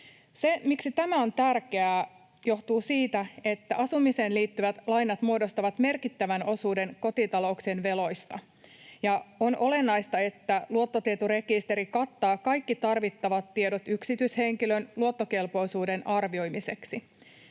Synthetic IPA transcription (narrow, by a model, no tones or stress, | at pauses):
se̞miksit̪æmæo̞nt̪ærkeæː | jo̞ht̪uːsiːt̪æe̞t̪ːæʔɑsumise̞ːnliːt̪ːyʋæt̪lɑjnɑt̪muo̞dost̪ɑʋɑt̪me̞rkit̪ːæʋæno̞suːde̞ŋko̞t̪it̪ɑlo̞uksenʋe̞lo̞jst̪ɑ̰ | jɑo̞nole̞nːɑjst̪ɑe̞t̪ːæluo̞t̪ːot̪iet̪ure̞kist̪eɾikɑt̪ːɑːkɑjkːit̪ɑrʋit̪ːɑʋɑt̪ːiedot̪yksit̪yishe̞ŋkilønluo̞t̪ːoke̞lpo̞jsuːde̞nʔɑrʋio̞jmise̞ksi